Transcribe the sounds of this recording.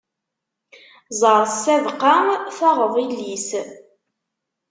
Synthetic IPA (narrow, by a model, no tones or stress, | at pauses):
zˤəɾˤsævqaθɑʁəðˤilːis